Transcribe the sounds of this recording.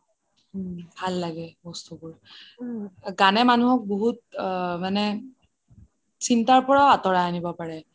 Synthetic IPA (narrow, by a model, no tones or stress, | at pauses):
bʱalːaɡɛbɔstubʊɹ | ɡanɛmanuɦɔk̚boɦut̚manɛ | sintaɹpɔɹaatɔɹaanibɔpaɹɛ